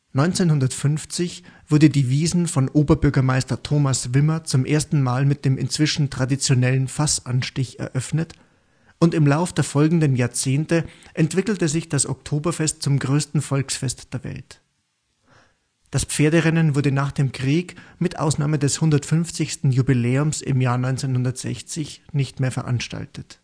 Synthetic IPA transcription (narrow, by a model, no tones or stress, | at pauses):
nɔʏnt͡seːnhʊndɐtfʏnft͡sɪçv̥ʊɐdədiːviːzn̩fɔnʔoːbɐbʏɐɡɐmaɪstɐtʰoːmasv̥ɪmɐt͡sʊmʔḛːɐstn̩maːlmɪt̚d̥eːmɪ̰nt͡sv̥ɪʃn̩tʁ̥adit͡sjonɛlən̩fasʔanʃtɪçɛ̰ɐʔœfnət | ʔʊntɪmlaʊfd̥eːɐfɔlɡŋ̩dənjaːɐt͡seːntəʔɛntv̥ɪkl̩təzɪçd̥asɔ̰ktʰoːbɐfɛst̚t͡sʊmɡʁøːstn̩fɔlksfɛstd̥eːɐvɛ̰lt | d̥asp͡feːɐdəʁɛnənvʊɐdənaːχd̥eːmkʁ̥iːkmɪtʔa̰ʊsnaːmədɛshʊndɐtfʏnft͡sɪçstn̩jubilɛːʊmsɪ̰mjaːɐnɔʏnt͡senhʊndɐtz̥ɛ̰çt͡sɪçnɪçtmeːɐfɛɐʔa̰nʃta̰ltʰət